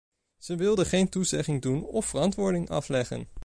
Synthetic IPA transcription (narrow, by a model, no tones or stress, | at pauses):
z̥əʋɪlˠdəχejntuzɛχɪŋdunɔfərɑntʋʊːɹdɪŋɑ̰flɛχə̰n